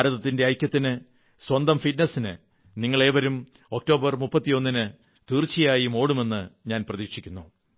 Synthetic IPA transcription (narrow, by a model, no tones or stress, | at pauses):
aːɾɐðɐt̪ːinde̞ɐjkʲjːɐt̪ːinɨ | swɐnd̪ɐmfitnɐsinɨ̰ | niŋːɐɭe̞ːʋɐɾum | o̞k̚to̞ːbɐrmupːɐt̪ːijo̞nːinɨ | t̪iːrt͡ɕːijaːjimo̞ːɽume̞nːɨɲaːnprɐðiːkʂikʲːunːu